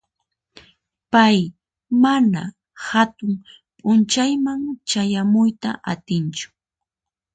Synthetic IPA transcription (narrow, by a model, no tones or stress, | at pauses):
paj | mana | hat̪ʊŋ | pʼʊnt͡ʃajmaŋt͡ʃajamʊjt̪a̰ʔat̪ɪnt͡ʃʊ̥